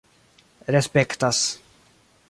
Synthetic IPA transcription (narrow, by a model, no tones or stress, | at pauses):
ɾɛspɛkt̪as